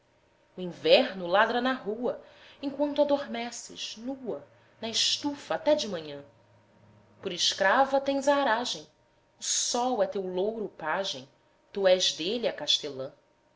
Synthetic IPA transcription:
ʊĩvɛɾnʊlad̪ɾɐnɐɦuɐẽŋkwɐ̃nt̪ʊad̪oɾmɛsɪ̰ʃnuɐ | nɐɪʃt̪ufɐːt̪ɛd͡ʒɪmɐ̃ɲɐ̃ | pʊɾɪʃkɾavɐt̪ẽj̃zaɾaʒẽj̃ | ʊsɔwɛt̪ewlowɾʊpaʒẽj̃ | t̪uɛʒd̪eliakaʃt̪elɐ̃

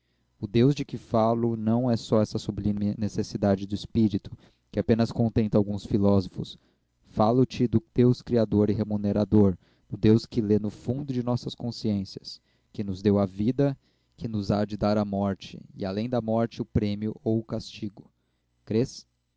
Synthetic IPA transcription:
ʊd̪ewzd͡ʒɪkɪfalʊnɐ̃w̃ɛsɔɛsɐsublĩmɪnesesid̪ad͡ʒɪd̪ʊɪspiɾit̪ʊ̥ | kɪapẽnɐskõnt̪ẽnt̪ɐawɡũsfilɔzofʊ̰s | falʊt͡ʃɪd̪ʊd̪̥ewskɾiad̪oɾɪɦemuneɾad̪oɾ | d̪̥ʊd̪ewskɪlenʊfũd̪ʊd͡ʒɪnɔsɐskõsiẽsiɐs | kɪnʊzd̪ewɐvid̪ɐ | kɪnʊzad͡ʒɪd̪aɾɐmɔɾt͡ʃɪ̰ɪ̰alẽj̃d̪ɐmɔɾt͡ʃɪʊpɾẽmiʊʔowʊkast͡ʃiɡʊ | kɾes

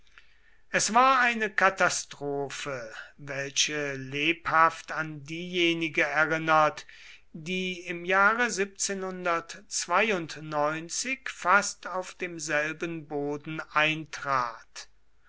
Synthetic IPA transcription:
ʔɛsv̥aːɐaɪnəkatastʁ̥oːfəvɛlʃəleːphaftandiːjeːnɪɡəɛɐʁɪnɐt | diːɪmjaːʁəzɪp̚t͡seːnhʊndɐtt͡sv̥aɪʊntnɔʏnt͡sɪkfastaʊfd̥eːmzɛlbənboːdn̩ʔaɪntʁ̥aːt

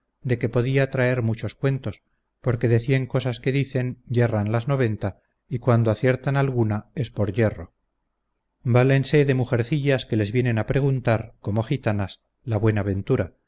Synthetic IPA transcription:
d̪e̞ke̞po̞ð̞iat̪ɾae̞ɾmut͡ʃo̞skwe̞nt̪o̞s | po̞ɾke̞ðe̞θje̞ŋko̞saske̞ðiθe̞nɟ͡ʝe̞ranlazno̞βe̞nt̪a | ikwand̪oaθje̞ɾt̪analɣunae̞spo̞ɾʝe̞ro̞ | bale̞nse̞ðe̞muxe̞ɾθiʎaske̞le̞zβje̞ne̞napɾe̞ɣunt̪aɾko̞mo̞xit̪anas | laβwe̞naβe̞nt̪uɾa

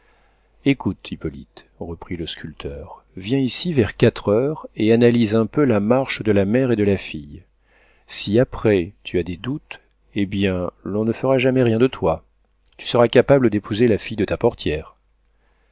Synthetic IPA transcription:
ekut̪ipɔlḭt̪ʁəpχiləskʲylt̪ʰœʁ | vjɛ̃isivɛʁkat̪χœʁeanalizɛ̃pølamaʁʃd̪əlamɛʁed̪əlafij | siapχɛt̪ʰyad̪ed̪ut̪ | ebjɛ̃lɔ̃nəfəʁaʒamɛʁjɛ̃d̪ət̪wa | t̪y̥səʁakapabləd̪epuzelafijd̪ət̪apɔʁt̪jɛːʁ

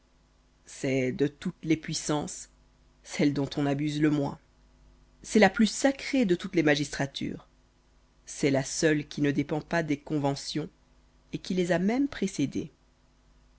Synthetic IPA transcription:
sɛd̪ət̪ut̪lepɥisɑ̃sː | ɛld̪ɔ̃t̪ɔ̃nabyzləmwɛ̰̃ | sɛlaplysakχed̪ət̪ut̪lemaʒist̪χat̪ʰy̰ːʁ | sɛlasœlkʲinəd̪epɑ̃pad̪ekɔ̃vɑ̃sjɔ̃ | ekʲilezamɛmpχesed̪ḛ

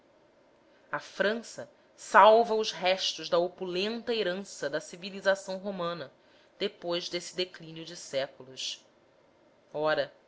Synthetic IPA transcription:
ɐfɾɐ̃sɐ | sawvɐʊzɦɛʃt̪ʊʒd̪ɐopulẽnt̪ɐeɾɐ̃sɐd̪ɐsivilizasɐ̃w̃ɦomɐ̃nɐ | d̪̥epojzd̪esɪ̥d̪eklinjʊd͡ʒɪsɛkulus | ɔɾɐ

